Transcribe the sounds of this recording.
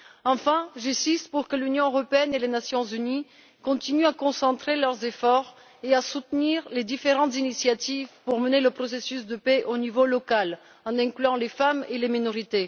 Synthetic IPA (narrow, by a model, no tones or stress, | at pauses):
ɑ̃fɛ̃ʒasist̪puʁkəlynjɔ̃øʁɔpeɛnelenasjɔ̃zyni | kɔ̃t̪inyakɔ̃sɑ̃t̪χelœʁzefɔʁ | easut̪niʁled̪ifeʁɑ̃t̪zinisjat̪ivpuʁməneləpχɔsesysd̪əpɛʔonivolɔkal | ɑ̃nɛ̃klyɑ̃lefameleminɔʁit̪e